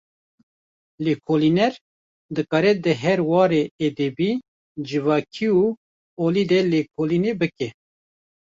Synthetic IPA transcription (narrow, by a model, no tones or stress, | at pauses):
leːkʰoːlinɛɾ | d̪ɨkɑːɾɛd̪əɦɛɾwɑːɾeed̪ebi | d͡ʒɨvɑːkʰiu | oːlid̪ɛlekʰoːlinebɨkɛ